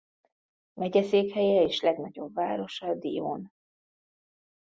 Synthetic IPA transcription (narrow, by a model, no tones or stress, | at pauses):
mɛɟɛseːkhɛjɛeːʃlɛɡnɒɟo̞bvaːɾo̞ʃɒd̪ḭo̰ːn